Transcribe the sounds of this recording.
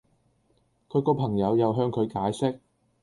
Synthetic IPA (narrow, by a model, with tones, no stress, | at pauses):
kʰɵ˨˧ɥkɔː˧pʰɐ˨˩ŋjɐ˨˧wjɐ˨wɦœː˧ŋkʰɵ˨˧ɥkaː˨˥jsɪ˥k̚